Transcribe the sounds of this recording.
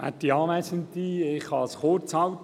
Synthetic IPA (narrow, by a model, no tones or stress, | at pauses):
æ̰t̪ːiɑːʋæsənt̪iɪχhɑsχoɾt͡shɑwt